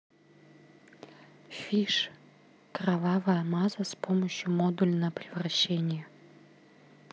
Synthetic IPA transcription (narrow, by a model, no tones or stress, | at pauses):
fʲiʂ | kravɑvəjɐmɑzəspoməɕjumod̪ulʲnəpɾʲɪvraɕːenʲɪjə